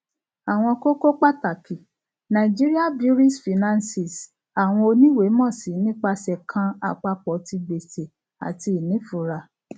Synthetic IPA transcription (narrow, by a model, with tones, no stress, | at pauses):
a˨w̃ɔ̃˧ko˦ko˦k͡pa˦ta˨kʰi˨ | nã˨d͡ʒi˦ɾi˦a˦bi˦ɾi˦sfi˨nã˦nsi˨s | a˨w̃ɔ̃˧o˧nĩ˦we˨˦mɔ̃˦˨si˨˦nĩ˦k͡pa˧sɛ˨kʰã˧a̰˨k͡pa˧k͡pɔ˨ti˧be˨se˨ | a̰˨ti˧i˨nĩ˨˦fu˨ɾa˧